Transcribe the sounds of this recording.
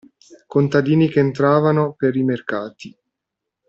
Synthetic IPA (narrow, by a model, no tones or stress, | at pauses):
kont̪ad̪iːnikeːnt̪ɾaːvanopeɾimerkaːt̪i